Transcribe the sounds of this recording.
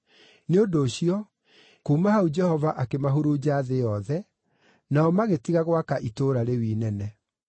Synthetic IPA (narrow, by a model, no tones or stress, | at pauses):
neodoːɕiɔ | kuːmahaud͡ʒɛhɔvaʔakemaɦuɾud͡ʑaːðejɔðɛ | naɔmaɣetiɣaɣwakaʔitoɾaɾewiːnɛnɛ